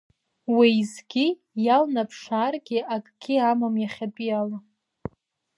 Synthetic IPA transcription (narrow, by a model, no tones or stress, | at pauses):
wizɡʲi | jalnapʰʂaːrɡʲɪakʼɡ̥ʲiamamjaχʲat͡pʼijala